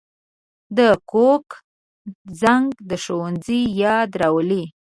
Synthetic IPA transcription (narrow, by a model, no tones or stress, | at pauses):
d̪əkok | zaŋɡd̪əʃowanzijɑd̪ɾɑwəli